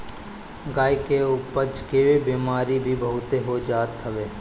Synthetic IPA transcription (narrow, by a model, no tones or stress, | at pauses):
ɡaːikeʊpəd͡ʒkeebiːmaːɾibʱibəɦʊt̪eɦod͡ʒaːt̪ʰːəʋeː